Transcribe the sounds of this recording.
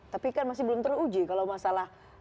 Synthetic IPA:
t̪apikanmas̬ɪhbəlʊmt̪əɾsud͡ʒikalamasalah

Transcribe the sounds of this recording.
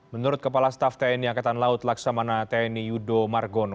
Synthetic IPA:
mənuɾʊt̪̚kəpalast̪aft̪aɛniakat̪anlaʊt̪laksamanat̪aɛnijudomarɡɔn

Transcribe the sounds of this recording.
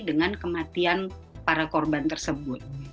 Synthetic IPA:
dəŋankəmat̪ianpaɾakɔrbant̪ərsəbʊt̪̚

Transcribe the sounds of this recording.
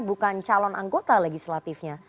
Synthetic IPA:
bukant͡ʃalɔnʔaŋɡot̪aleɡislat̪ifɲa

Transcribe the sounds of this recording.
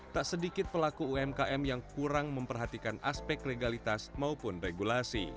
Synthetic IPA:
t̪aʔsədikɪt̪̚pəlakuuɛmkaʔɛmjaŋkuɾaŋməmpərɦat̪ikanʔa̰spɛkleɡalit̪asmaupʊnreɡulasḭ

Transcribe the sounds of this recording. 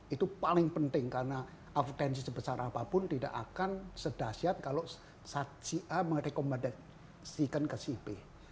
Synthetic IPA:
it̪upalɪŋpənt̪ɪŋkaɾəna | ʔaft̪ɛnsisəbəsaɾʔapapʊnt̪ida̰ʔa̰kansədasiat̪̚kalo | sat͡ʃiʔaməŋɾekomada | sikənkəsipe

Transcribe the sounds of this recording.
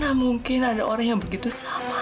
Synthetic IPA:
namuŋkɪnadaʔoɾaŋjaŋbəɡit̪usama

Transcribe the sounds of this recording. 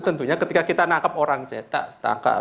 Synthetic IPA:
t̪ənt̪uɲakət̪ikakit̪anakəp̚oɾaŋt͡ʃɛt̪a̰ʔst̪a̰ŋka̰

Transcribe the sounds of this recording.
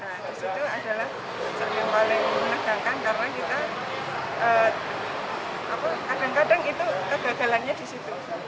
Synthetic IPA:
nadisit̪uadalah | ət͡ʃəɾjaŋpalɪŋmənəɡ̥aŋkankarənakit̪a | əː | apakadaŋkadaŋit̪ukəɡ̥aɡa̤lanɲadisit̪u

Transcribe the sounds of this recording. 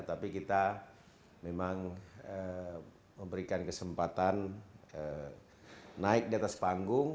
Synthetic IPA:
ət̪apikit̪a | memaŋə | məmbəɾikankəsəmpat̪anə | naɪk̚diat̪aspaŋɡʊŋ

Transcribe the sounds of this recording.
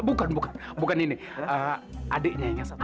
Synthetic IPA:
bukanbukanbukanini | a̰dəʔɲaiɲasa

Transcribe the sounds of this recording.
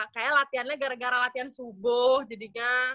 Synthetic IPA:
kajalat̪ianɲaɡaɾaɡaɾalat̪iansubʊhd͡ʒadiŋa

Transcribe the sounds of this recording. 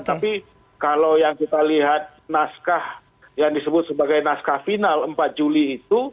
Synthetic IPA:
t̪api | kalawjaŋkit̪aliɦat̪̚naskah | jaŋdisəbʊt̪̚səbaɡajnaskahfinaləmpat̪̚d͡ʒuliːt̪u

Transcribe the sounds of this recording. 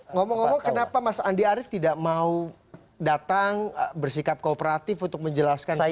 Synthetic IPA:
ŋɔmɔŋːomɔŋkənapamasaandiaɾɪft̪idaʔmau | dat̪aŋbərsikap̚koːpəɾat̪ɪfunt̪ʊk̚məɲd͡ʒəlaskan

